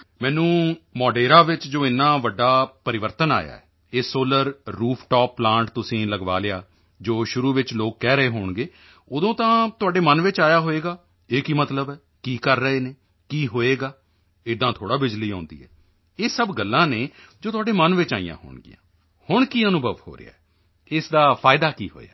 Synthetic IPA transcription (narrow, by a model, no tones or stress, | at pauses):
mɛ̃ːnũːmɔːɖeːɾaːʋɪt͡ʃd͡ʒoːɪnːãːʋəɖːaːpəɾɪʋəɾt̪əna̰ːja̰ːɛː | eːsoːləɾːuːpʰʈɔːpːlãːɳʈt̪ʊsĩːləɡʋa̰ːleaː | d͡ʒoːʃʊɾuːʋɪt͡ʃloːkːɛːɾəeːɦoːɳɡeː | ʊd̪õːt̪ãːt̪ʊaːɖeːmənʋɪt͡ʃaːjaːɦoːeːɡaː | eːkiːmət̪ləbɛː | kiːkəɾːəɦeːneː | kiːɦoːeːɡaː | ɪd̪ãːt̪ʰoːɽaːbɪd͡ʒliːɦãːnd̪ḭːɛ̰ː | eːsəbɡəlːãːneː | d͡ʒoːt̪ʊaːɖeːmənʋɪt͡ʃaːḭjã̰ːɦo̰ːɳɡɪ̰jã̰ː | hʊɳkiːənʊbʱəʋho̰ːɾḛjaːɛ | ɪsd̪aːpʰaːɪd̪aːkiːɦo̰ːa̰ː